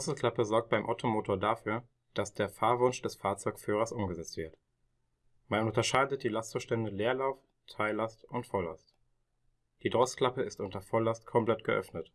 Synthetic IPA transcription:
iɔsl̩kʰl̥apəzɔɐk̚t̚b̥aɪmʔaʊtʰomoːtʰoːɐdafyːɐ | d̥asd̥eːɐfaːɐvʊnʃd̥ɛsfaːɐt͡sɔʏkfyːʁɐsʔʊmɡəzɛt͡stv̥ɪɐt | mannʊntɐʃaɪdət̚d̥iːlastb̥əʃtɛndəleːɐlaʊf | tʰaɪlastʔʊntfɔla̰st | d̥iːdʁɔskʰl̥apəɪstʔʊntɐfɔlastkʰɔmplɛt̚ɡ̥əʔœ̰fnət

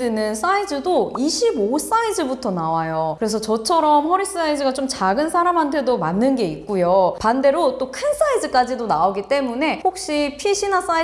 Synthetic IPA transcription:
inɯns͈aid͡ʑɯdoiɕʰibos͈aid͡ʑɯbutʰʌnawajokɯɾe̞s̬ʰʌt͡ɕʌt͡ɕʰʌɾʌmɸʌɾis͈ɯsʰaid͡ʑɯɡat͡ɕomt͡ɕaɡɯnsʰaɾamɦantʰe̞domanːɯnɡe̞ik̚k͈ujopande̞ɾot͈okʰɯns͈aid͡ʑɯk͈ad͡ʑidonaoɡit͈e̞mune̞hok̚ɕ͈ipʰiɕʰinas͈ai

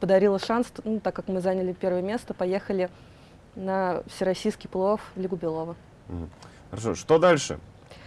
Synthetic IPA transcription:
pəd̪ɐɾʲilˠəʂansnut̪akːakmɨzanʲəlʲɪpʲe̞rvəjəmʲest̪əpɐje̞xəlʲɪ | nəfsʲɪɾɐsʲijskʲɪjplˠooflʲɪɡʊbʲɪlˠo̞və | m̩ɦm̩ | xəɾɐʂo̰ʂt̪od̪alʲʂɨ̰

